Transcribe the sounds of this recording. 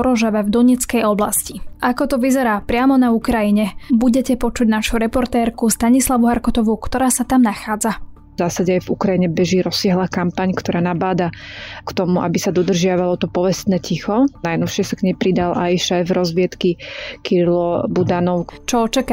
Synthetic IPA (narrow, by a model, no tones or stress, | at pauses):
ɾɔʒɛʋɛvd̪ɔɲɛt͡skɛjɔblasciʔakɔt̪ɔʋizɛɾaːpɾɪamɔnaukɾajiɲɛbuɟɛcɛpɔt͡ʃuɟnaʃuɾɛpɔɾt̪ɛːɾkust̪aɲislaʋuɦaɾkɔt̪ɔʋukt̪ɔɾaːsat̪amnaxaːd͡za | zaːsaɟɛajvukɾajiɲɛbɛʒiːɾɔsɪaɦlaːkampaɲkt̪ɔɾaːnabaːd̪akt̪ɔmuʔa̰bisad̪ɔd̪r̩ʒɪaʋalɔt̪ɔpɔʋɛst̪nɛːcixɔnajnɔlʃɪɛsakɲɛjpɾid̪alʔajʃajvɾɔzʋɪɛt̪kikiɾilɔbud̪anɔʊt͡ʃɔɔt͡ʃaka